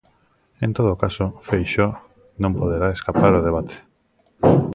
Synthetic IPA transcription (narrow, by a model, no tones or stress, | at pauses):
ent̪oðokasofejʃo | nõmpoðeɾaeskapaɾoð̞eβ̞at̪ʰe̥